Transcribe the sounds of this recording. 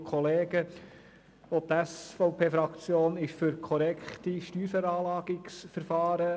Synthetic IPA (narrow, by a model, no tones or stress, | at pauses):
kʰɔleːɡ̥ə | ot̪æsfɔʊpʰeːfɾɑkt͡sjoːnɪʃfyɾkʰɔɾɛkχtiʃtyːɾfɛɾɑːlɑːɡ̥ɪksfəɾfɑːɾə